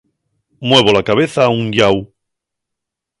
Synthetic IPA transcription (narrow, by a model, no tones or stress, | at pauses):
mwe̞β̞o̞lakaβ̞e̞θauŋʎaw